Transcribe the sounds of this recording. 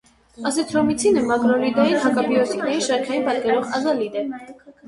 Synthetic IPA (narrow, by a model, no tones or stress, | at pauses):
ɑzɛt̪ʰɾɔmit͡sʰinəmɑɡɾɔlid̪ɑjinɦɑkɑbiɔsiknɛɾiʃɑɾkʰɑjinpɑt̪kɛɾɔʁɑzɑlid̪ɛ